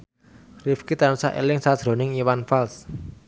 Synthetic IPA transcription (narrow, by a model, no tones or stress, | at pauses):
rifkit̪anusaʔḛlɪŋsad̥ʒ̥ɾo̤nɪŋiwanfals